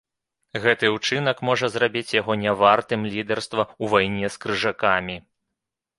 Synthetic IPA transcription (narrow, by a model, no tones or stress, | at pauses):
ɣɛt̪ɨuwt͡ʂɨnɐkmɔʐɐzrabʲit͡sʲjaɣɔnʲavart̪ɨmlʲid̪ɛrst̪vɐuvajnʲɛskɾɨʐakamʲi